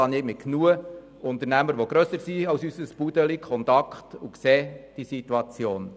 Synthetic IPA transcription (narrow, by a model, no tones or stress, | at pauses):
ɑnɪːmɪtknuə | ʊnt̪əɾnæməɾʋoɡ̥ɾœsəɾsiɑwsysəspudəlikʰχɔntɑkχtukseːd̥isit̪uɑt͡sjoːn